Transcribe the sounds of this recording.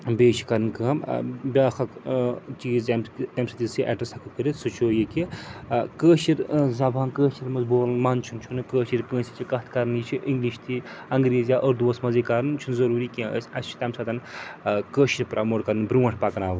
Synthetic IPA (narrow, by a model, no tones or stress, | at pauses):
beːʃʰi̥kɐɾɨnkəbʲaːxʰɐkt͡ʃiːzt̪ɐmt̪ʲɐmsɐt̪izsiʔɐ̰ʈɐsɐkʰɨkɨɾisɨt͡ʃʰoːjiki | kəːʃiɾzɐbʱãːnkəːʃiɾmɐzboːlɐnmɐnt͡ʃʰunt͡ʃʰunɨkəːʃiɾkə̃ːnsit͡ʃʰikɐt̪ʰkɐɾnit͡ʃʰiʔiŋɡliʃt̪ʰiɐŋɡɾeːzjaʔoːɾd̪uːsmɐzikɐɾnt͡ʃʰunzɐɾuːɾikʲĩə̰sʲɐst͡ʃʰi̥t̪ɐmsɐt̪ɐnkəːʃiɾʲpɾʔɐmoːʈkɐɾɨnbɾuʋɐɳʈʰpɐkɐnaːʋ